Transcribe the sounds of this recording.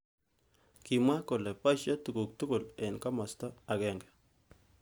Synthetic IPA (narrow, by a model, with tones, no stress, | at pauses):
ki˨ma˦ko˨lɛ˨pa˦ʃa˦tu˨ko˨k̚t̪u˦ko˨lɛ˨nka˦ma˨st̪ɔ˦a˨ɡɛ˦˨ŋɡɛ˨